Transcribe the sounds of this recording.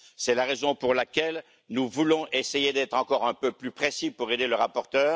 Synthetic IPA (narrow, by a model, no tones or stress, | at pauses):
sɛlaʁezɔ̃puʁlakʲɛl | nuvulɔ̃ʔesejed̪ɛt̪χɑ̃kɔʁɛ̃pøplypχesipuʁed̪eləʁapɔʁt̪œːʁ